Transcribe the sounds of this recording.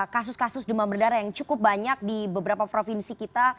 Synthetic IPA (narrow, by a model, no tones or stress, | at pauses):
kasʊskasʊsdəmabərdaɾajaŋt͡ʃukʊp̚baɲak̚dibəbəɾapapɾofinsikit̪a